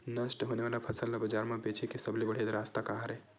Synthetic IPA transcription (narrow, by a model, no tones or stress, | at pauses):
nəsʈɦoneʋaːlapʰəsəllabəd͡ʒaːɾmãbet͡ʃʰikisəblibəɽ̤ied̪ɾast̪akaɦaɾe